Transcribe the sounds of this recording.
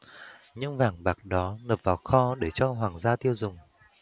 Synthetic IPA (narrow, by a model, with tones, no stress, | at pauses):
ɲɨ̰˧˥ŋvaː˨˩ŋɓaː˨˩k̚ɗɔ˨˦nəː˨˩p̚vaː˨˩wxɔ˧ɗe˧˩t͡ɕɔ˧ɦwaː˨˩ŋzaː˧t̪i˧əwzʊ˨˩ŋ͡m